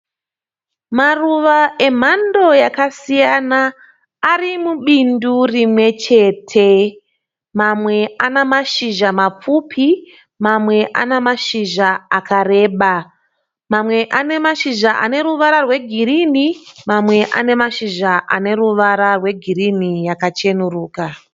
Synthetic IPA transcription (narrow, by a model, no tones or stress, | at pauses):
maruʋae̞m̤ando̞jakasijanaː | rimuɓindurimwe̞t͡ʃe̞ːtʰe̞ | mamwe̞anemaʃiʒamap͡fupʰi | mamwe̞ʔa̰nemaʃiʒaakare̞ːɓa | mamwe̞ʔane̞maʃiʒaʔa̰ne̞ɾuʋaɾarwe̞ɡʱiɾinimamwe̞ʔa̰ne̞maʃiʒaʔa̰ne̞ɾuʋaɾarwe̞ɡʱirinijakat͡ʃe̞nuruːka